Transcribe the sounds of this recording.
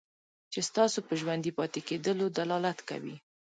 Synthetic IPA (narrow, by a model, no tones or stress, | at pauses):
t͡ʃest̪ɑsopəʒwand̪ipɑt̪eked̪əlod̪alɑlat̪ka̰wḭ